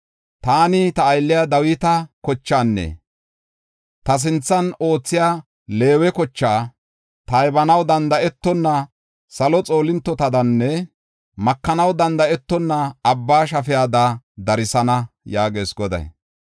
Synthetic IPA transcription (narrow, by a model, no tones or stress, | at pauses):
t̪aːnɪt̪ɐːjlːɪjad̪ɐwɪt̪ɐkɔt͡ʃːaːnːɛ̰ | t̪ɐs̬ɪnt͡sːɐno̞ːt͡sːɪjaː | le̞ːwɛkɔt͡ʃːaː | t̪ɐjbɐnɐwd̪ɐnd̪ɐʔɛt̪ːɔnːɐ | sɐlɔt͡sʼo̞ːlɪnt̪ːɔt̪ɐd̪ɐnːɛ | mɐkːɐnɐwd̪ɐnd̪ɐɛt̪ːɔnːɐːbːaːʃ̬ɐfɪjaːd̪ɐd̪ɐɾɪsɐnɐjaːɡe̞ːsɡɔd̪ɐ̰j